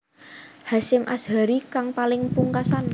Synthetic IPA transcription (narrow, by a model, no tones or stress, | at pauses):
hasɪmʔa̰sha̤ɾikaŋpalɪŋpuŋkasan